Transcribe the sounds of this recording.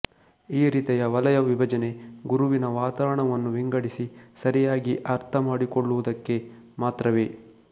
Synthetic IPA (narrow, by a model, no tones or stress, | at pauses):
iːɾiːt̪ɐjɐʋɐlɐjɐʋibʱɐd͡ʒɐne̞ɡuɾuʋinɐʋaːt̪aːɾɐɳɐʋɐnːuʋiŋɡɐɽisisɐɾijaːɡiʔɐɾt̪ʰɐmaːɽikoɭːuʋud̪ɐkːe̞ | maːt̪ɾɐʋe̞ː